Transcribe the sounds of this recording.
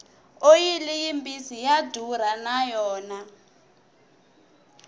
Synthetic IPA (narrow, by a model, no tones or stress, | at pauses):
ojilijimbisijadʱuɾ̤anajɔːna